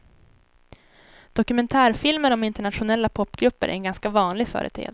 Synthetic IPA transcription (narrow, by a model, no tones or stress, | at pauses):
d̪̥ɔkɵmɛnt̪ʰæːɾfɪlməɾɔmɪnt̪əɳat̪ɧʊnɛlːapʰɔpːɡɾɵpːə̰ɾʔæ̰ɛnɡanskavɑːnlɪɡfœ̰ːɾʔə̰t̪ʰɾḛː